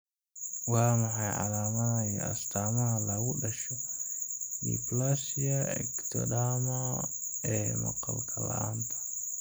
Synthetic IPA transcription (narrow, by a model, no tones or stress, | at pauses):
wɑːmɑħɑjʕɑ̰laːmɐnajɔɐ̰st̪ʰaːmɐɦɐlɐɣʊɖɐʃɔ | jḭplasiɐɛ̰kt̪ʰɔdaːmɐ | ɛːmɐ̰qɑ̰lkʰɐlɐ̰a̰ːnt̪ʰɐ̥